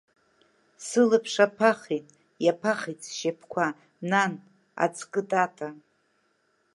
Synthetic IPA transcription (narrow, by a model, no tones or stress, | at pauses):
sɨlɨpʰʂapʰaχijtʼ | japʰaχit͡sʰʼʃepʰkʷʰa | nan | a̰t͡sʰʼkʼɨtʼatʼa